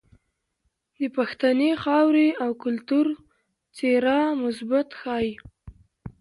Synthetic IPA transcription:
d̪əpaxt̪anexɑwɾeawkʊlt̪uɾ | t͡seɾɑmʊsbat̪xɑj

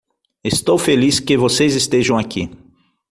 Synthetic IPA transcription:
est̪owfeliskɪvosejzest̪eʒɐ̃w̃aki

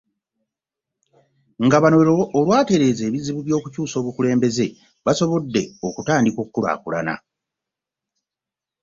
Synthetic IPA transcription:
ŋɡaβanoeɾoʔːlwaːte̞ɾe̞ːze̞ːβiziβuβjo̞ːkucuːso̞ːβukule̞ːmbe̞ze̞ | βaso̞βo̞dːe̞o̞kutaːndikokːula̰ːkula̰na̰

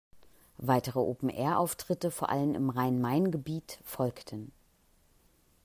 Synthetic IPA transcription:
vaɪtəʁəʔoːpm̩ʔɛ̰ːɐʔa̰ʊftʁ̥ɪtəfoːɐʔa̰lənɪ̰mʁaɪnmaɪnɡəbiːtfɔlktʰən

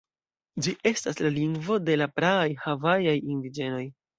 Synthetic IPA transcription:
d͡ʒiʔe̞staslaliŋɡvo̞de̞lapɾaːjhavajajindid͡ʒe̞no̞j

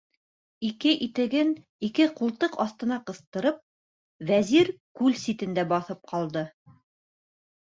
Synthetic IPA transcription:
ikɘʔit̪ɘ̆ɡɘn | ikɘqulˠt̪ɤqɑsθt̪ɤ̆nɑqɤ̆st̪ɤ̆ɾɤp̚ | væziɾkʉlsit̪ɘ̆nd̪æbɑθɤp̚qɑlˠd̪ɤ

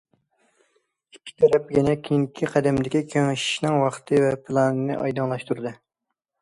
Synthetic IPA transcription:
i̥kʲʰːi̥t̪ʰɛɾɛpjɛnɛkʲʰejiŋkʲʰiqʰæd̪ɛmd̪ɪkʲikʲʰeŋɪʃi̥ʃnɪŋwɑχt̪ʰɨvɛpʰɨlˠɑnɨnɨ̰ʔɑ̰jd̪ɑnlˠɑʃt̪uɾɨd̪ɨ

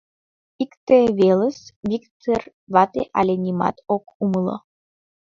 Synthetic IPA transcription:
ikt̪eveləsvikt̪er | vɑt̪ḛʔalʲenʲima̰t̪okuməlˠɤ̰

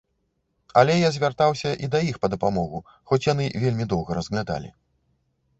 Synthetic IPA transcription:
ɐlʲɛjazʲvʲart̪awsʲɐʔid̪ɐjixpɐd̪ɐpamɔɣu | xɔt͡sʲjan̪ɨvʲelʲmʲid̪ɔwɣɐɾɐzɣlʲad̪a̰lʲḭ

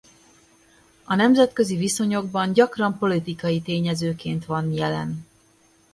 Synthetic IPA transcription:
ɒnɛmzɛt̪kø̞ziviso̞ɲo̞ɡbɒɲɟɒkrɒmpo̞lit̪ikɒjit̪eːɲɛzøːkeːnt̪ʋɒnjɛlɛ̰n

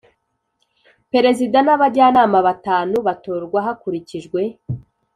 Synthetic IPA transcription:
pe̞ɾe̞zidanaβaɟaːnaːmaβataːnuβato̞ːɾɡwaɦakuɾiciʒɡwe̞

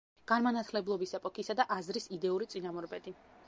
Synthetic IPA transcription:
ɡ̥anmanat̪ʰlɛblˠɔbisɛpʼɔkʰisad̪aʔazɾisid̪ɛuɾit̪sʼinamuɾbɛd̪i

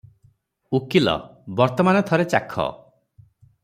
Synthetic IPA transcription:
ukilɔ̰bɔɾt̪ɔmanɔt̪ʰɔɾet͡ʃakʰɔ̰

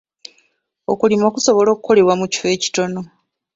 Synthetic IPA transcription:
o̰kulimokuso̞βo̞lo̞ːkuko̞le̞βwamuci̥fe̞ːci̥to̞no̞

